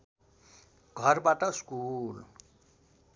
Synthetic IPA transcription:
ɡ̥ʱʌrbaʈʌskul

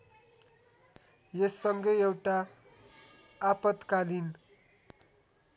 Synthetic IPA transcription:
jesːʌŋɡʌjewʈa | pʌt̪kalin

